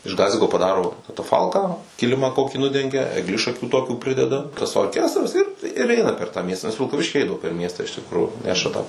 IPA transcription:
ɪʃ ˈɡɑːzʲɪkoː pɐˈdɑːroː kɐtɐˈfɐlˠkɑː ˈkʲɪlʲɪmɐ ˈkoːkʲiː ˈnʊdʲɛŋʲɡʲɛ ɛɡˈlʲɪʃɐkʲuː ˈtoːkʲuː ˈpʲrʲɪdʲɛdɐ tɐs oːrʲˈkʲæːstrɐs ɪr ɪr ˈɛɪnɐ pʲɛr tɑː ˈmʲiɛstɑː nʲɛs ʋʲɪlˠkɐˈʋʲɪʃʲkʲiː ˈɛɪdɐʋoː pʲɛr ˈmʲiɛstɑː ɪʃ tʲɪkˈruːjuː ˈnʲæːʃɐ tɑː

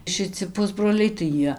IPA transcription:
ʃʲˈɪt͡sʲɪ ˈpʊzbroːlʲɛɪ tɐɪ ˈjiɛ

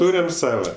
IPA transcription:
ˈtuːrʲɛm ˈsɑːʋɐ

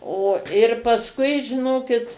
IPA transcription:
oː ɪr pɐsˈkʊɪ ʒʲɪˈnoːkʲɪt

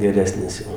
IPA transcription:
ɡʲɛˈrʲæːsʲnʲɪs ˈjɛʊ

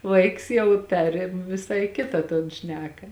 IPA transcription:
ˈʋɐɪks ˈjɛʊ ˈpʲæːrʲeːm ʋʲɪˈsɐɪ ˈkʲɪtɐ toːn ˈʃʲnʲæːkɐ

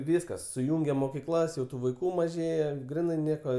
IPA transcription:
ˈʋʲiːskɐs sʊˈjuːŋʲɡʲeː moːkʲɪˈklˠɐs jɛʊ ˈtuː ʋɐɪˈkuː mɐˈʒʲeːjɛ ˈɡrʲɪnɐɪ ˈnʲiɛkoː

